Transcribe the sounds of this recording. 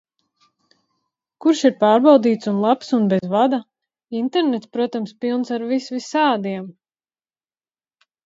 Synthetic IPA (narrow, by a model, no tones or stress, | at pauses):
kuɾʃiɾpaːɾbawd̪iːt̪sunlˠapsunbɛzvad̪a | int̪ɛɾnet̪spɾuɔt̪amspilˠnsaɾvisvisaːd̪iɛm